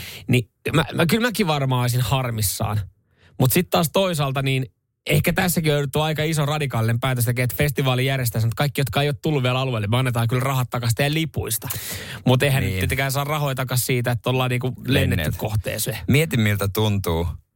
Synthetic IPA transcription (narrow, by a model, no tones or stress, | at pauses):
ni | mæ̰mkylmækiʋɑrmɑːsinhɑrmisːɑ̰ːn | mut̪sit̪t̪ɑːst̪oisɑːlt̪ɑniːn | ehkæt̪æsːækiøyut̪ːuɑikɑisorɑdikɑːlinempæːt̪øs̬t̪ekæet̪fest̪iʋɑːlijærjest̪æsmut̪̚kɑikːijot̪kɑːeijoːt̪t̪ulːuʋiælɑluelemøɑnːet̪ɑːŋkylrɑhɑt̪t̪ːɑkɑst̪eællipuist̪ɑmut̪eihænnyt̪pit̪ːekæːnsɑːrrɑhoit̪ɑkɑssiːt̪æet̪ːt̪ːolːɑːniːkulenːet̪ːyk̪koht̪ḛːsemiet̪imːilt̪æt̪unt̪uː